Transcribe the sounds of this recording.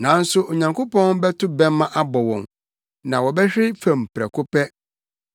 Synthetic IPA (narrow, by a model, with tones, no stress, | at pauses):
nã˨˦n̩˦sʊ˦o˨ɲã˨ŋko˦pʰɔ̃˦nbɛ˦tʰʊ˦bɛ̃˦m˦mːã˦ʔa˦bɔ˨wɔ̃˨m | nã˨wɔ˨bɛ˦hᶣɪ˦ɾɪ˦fæ̃˨m˨pʰɾɛ̰˨kʰʊ˦pɛ˦